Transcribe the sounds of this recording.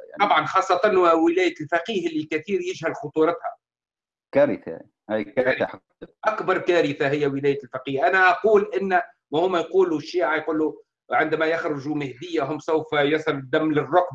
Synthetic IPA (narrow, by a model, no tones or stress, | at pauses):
ɑbʕɑnxɑːsˤːɑt̪ˤɑnwwɪlæːjalfaqiːhɪlːilkæθiːɾjɪʒhælxʊt̪ˤuːɾˤɑt̪hæ | kæɾɪθa̰ | hajkæaħɑ | ʔakbɑɾˤkæːɾɪθaɦɪjːæwɪlæːjalfaqiːhʔænæʔɑquːlʔɪnː | mæhʊmːæjquːluʃːiːʕajquːlːu | ʕɪnd̪mæjaxɾʊʒumɪhd̪ɪjːaɦʊmsawfjɑsˤɨlɪd̪ːæmːlɪrˤːʊqb